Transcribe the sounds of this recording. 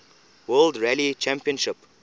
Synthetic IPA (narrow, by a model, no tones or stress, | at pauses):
wəːldɹɛlit͡ʃɛ̃mpiə̃nʃɪp